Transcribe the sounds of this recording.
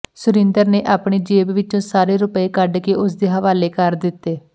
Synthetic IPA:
sʊɾɪ̃nd̪əɾneːʔaːpɳ̃eːd͡ʒeːbʋɪt͡ʃõːsaːɾeːɾʊpəeːkəɖkeːʊsd̪eːɦəʋaːleːkəɾd̪ɪt̪ːeː

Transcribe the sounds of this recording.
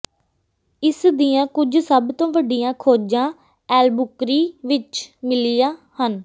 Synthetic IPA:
ɪsd̪ijãːkʊd͡ʒsəbt̪õːʋəɖijãːkʰoːd͡ʒãː | ɛːlbʊkɾiːʋɪt͡ʃmɪlɪjaːhən

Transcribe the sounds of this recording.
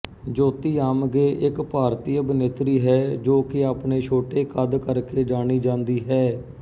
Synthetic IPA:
d͡ʒoːt̪iːaːmɡeːʔɪkpaːɾt̪iːəbəneːt̪ɾiːɦɛːd͡ʒoːkɪaːpneːt͡ʃʰoːʈeːkʰəd̪kəɾkeːd͡ʒaːɽ̃iːd͡ʒãːnd̪iːɦɛː

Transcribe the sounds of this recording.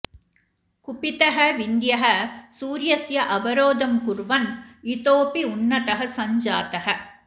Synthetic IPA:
kʊpɪt̪ɐɦɐʋɪnd̪jɐɦɐsuːɾjɐsjɐʔɐbɐɾoːd̪ɐmkʊɾʋɐnit̪oːpiʊnːɐt̪ɐɦɐsɐɲd͡ʒaːt̪ɐɦɐ

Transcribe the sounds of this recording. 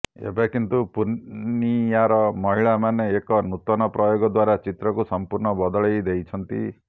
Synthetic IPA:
ḛbekint̪upuɾnnijaɾɔmɔɦiɭamaneːkɔnut̪ɔnɔpɾɔjoɡɔd̪waɾat͡ʃit̪ɾɔkusɔmpuɾɳɔbɔd̪ɔɭejd̪ejt͡ʃʰɔnt̪ḭ

